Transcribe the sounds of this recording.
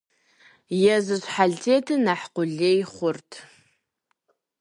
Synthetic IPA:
jɛzɨɕʷħaɮtʰeːtʰɨnaħqʷʊɮejχʷʊrtʰ

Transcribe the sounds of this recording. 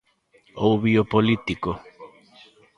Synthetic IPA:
owβiopolit̪iko

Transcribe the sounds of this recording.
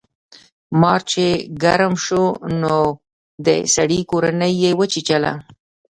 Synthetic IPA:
mɑɾt͡ʃeɡaɾəmʃono | d̪ə̰saɽikoɾanəjːewət͡ʃit͡ʃala̰

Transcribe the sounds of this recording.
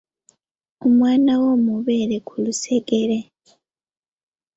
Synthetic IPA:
umwaːnawoːmuβeːɾekʰuluseɡeɾe

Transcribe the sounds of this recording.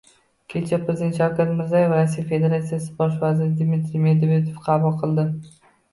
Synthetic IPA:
kʲʰe̞t͡ʃʰapɾezd̪et̪ʃɒkʲaɾmɪɾzajevɾasijafe̞d̪e̞ɾat̪sijasɪ̥bɒʃvazɪɾɪd̪mit̪ɾime̞d̪vet̪ofqʰɑbʊlˠqʰɨlˠd̪ɪ

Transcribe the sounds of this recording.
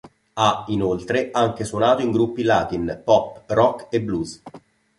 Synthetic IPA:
ainolt̪ɾeaŋk̟eswonaːt̪oiŋɡɾupːilaːt̪inpɔpːrɔkːebːluz

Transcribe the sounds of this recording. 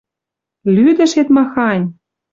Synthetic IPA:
lyd̪ə̆ʃet̪mɑxɑnʲ

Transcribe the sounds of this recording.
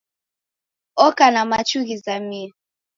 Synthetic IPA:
ɔkanamat͡ʃuɣizamia

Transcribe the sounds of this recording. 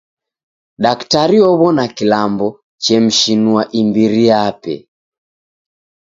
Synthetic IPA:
ɗaktaɾiɔβɔnakilambɔ | t͡ʃɛm̩ʃinuaʔimbiɾijapɛ̰

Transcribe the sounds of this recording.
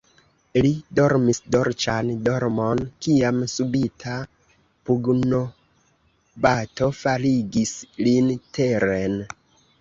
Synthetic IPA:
lido̞ɾmisdoɾt͡ʃandoɾmonkiamsubitʰa | puɡno̞ | bato̞faɾiɡislintʰe̞ɾen

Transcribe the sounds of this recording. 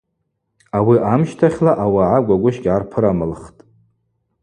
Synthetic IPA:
awiʔamʃtʰaχʲlaʔawaʕaɡʷaɡʷʊʃkʲʼʕarpʰɨɾamɨlχtʼ

